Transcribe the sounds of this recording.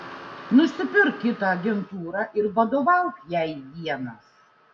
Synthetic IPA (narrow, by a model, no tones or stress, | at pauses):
nʊsʲɪpʲɪɾkkʲɪt̪ɑɐɡʲɛnt̪uːɾɑʔɪɾʋɐd̪oːʋɐʊkjɛɪʋʲiɛnɐs